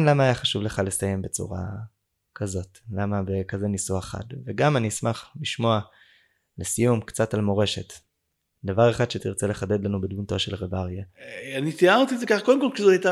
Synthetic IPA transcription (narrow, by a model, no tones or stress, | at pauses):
nlamaːjaχaʃuvleχalestaje̞mbe̞t͡sṵʁa̰ | kʰazo̞tlamabekaze̞nisueχa̰dveɡamanismaχliʃmo̞a | lesijumkt͡satalmo̞ʁe̞ʃe̞t | d̪avaʁeχad̪ʃetiʁt͡sele̞χade̞dlanubedmunto̞ʃelʁebaʁjaanit̪ianot̪iːzekaχkodemkolkʃizoajta